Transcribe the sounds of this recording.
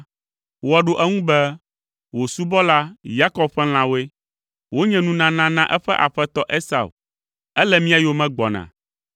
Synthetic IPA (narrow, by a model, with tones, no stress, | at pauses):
wɔ˨ɖo˦ʔɛ˦ŋũ˦bɛ˦ | wo˨su˦bɔ˦la˦ja˦kɔ˨bɸɛ˦l̃ã˨wo˦e˦ | wo˦ɲɛ̃˨nũ˨nã˨nã˦nã˦ʔɛ˦ɸɛ˦ʔa̰˨ɸɛ˦t̪ɔ˦ʔe˦sa̰˨w | ɛ˦lɛ˦mĩ˦a˨jo˦mɛ̃˦ɡ͡bɔ̰˨nã̰˨